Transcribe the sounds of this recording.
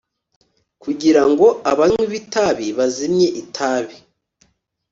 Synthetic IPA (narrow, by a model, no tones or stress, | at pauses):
kuɟiɾaŋɡo̞aβamwiβitaβiβazimɲe̞ʔitʰaːβi